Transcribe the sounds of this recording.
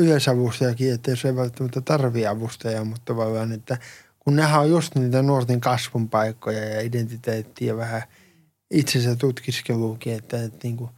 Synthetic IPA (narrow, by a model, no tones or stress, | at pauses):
yhøsɑʋust̪ɑjɑkiːet̪ːæjoseiʋælt̪ːæmæt̪ːɑt̪ɑrʋiɑʋust̪ɑjɑmut̪t̪oʋɑlːɑːnet̪ːæ | kunnehæojjust̪niːt̪ænuort̪eŋkɑsʋumpɑikːojɑjɑident̪it̪eːt̪ːiɑʋæhæ | it̪sensæt̪ut̪kiskeluːkiet̪ːæet̪niːŋku